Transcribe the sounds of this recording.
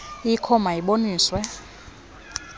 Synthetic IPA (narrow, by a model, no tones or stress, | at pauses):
ikʰɔmajiɓoniːswɛ